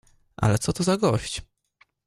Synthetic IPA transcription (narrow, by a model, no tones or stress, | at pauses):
ʔa̰lɛt̪sɔt̪ɔzaɡɔɕt͡ɕ